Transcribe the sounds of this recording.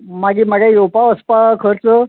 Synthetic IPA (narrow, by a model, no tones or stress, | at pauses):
maɡiːməɡejewpaəspakʰəɾt͡sə